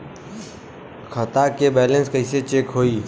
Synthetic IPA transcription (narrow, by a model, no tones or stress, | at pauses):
kʰət̪akebɛːlə̃nskəɪset͡ʃeːkɦoːiː